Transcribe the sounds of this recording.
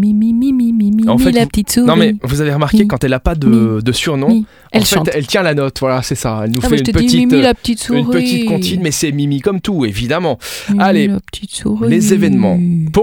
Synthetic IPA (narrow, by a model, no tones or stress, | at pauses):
mimimimimimiɑ̃fɛt̪lapət̪it̪sunɔ̃mɛvuzaveʁəmaʁkʲekɑ̃t̪ɛlapad̪əd̪əsyʁnɔ̃ | ʔɛ̃ɑl̃ʃfɛɑ̃t̪ɛlt̪jɛ̃lanɔt̪vwalasɛsaɛlnufɛyntəpət̪itmilapət̪it̪suynʁpəit̪it̪̚kɔ̃tinmɛsɛmimikɔmt̪uevid̪amɑ̃aleapə̥t̪ʰit̪suʁilezevɛnmɑ̃pu